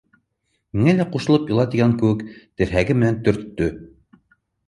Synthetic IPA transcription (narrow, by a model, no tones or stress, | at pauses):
miŋælæquʃɤ̆lˠɤpjɤ̆lˠɑt̪iɡæŋkɘ̆wɘkt̪ɘ̆ɾɦæɡɘmɘ̆nænt̪ɵ̆ɾt̪ːɵ